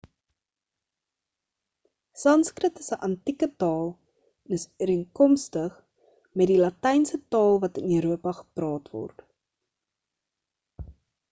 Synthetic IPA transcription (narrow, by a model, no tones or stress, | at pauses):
sɐnskrətəsəʔɐntikətɑːlˠ | ɛnəsəɾiəŋkɔmstəχ | mɛt̚dilɐtɛjnsətɑːlˠvɐtənəɾuəpɐχə̥prɑːtvɔ̰rt